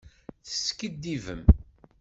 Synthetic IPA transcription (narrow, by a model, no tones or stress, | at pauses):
θə̥skid̪ːivəm